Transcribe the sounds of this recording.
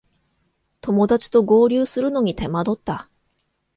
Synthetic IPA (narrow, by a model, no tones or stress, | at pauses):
t̪o̞mo̞d̪at͡ɕi̥t̪o̞ɡo̞ːɾʲɨːsɨɾɯ̟no̞ɲ̟it̪e̞mad̪o̞t̪ːa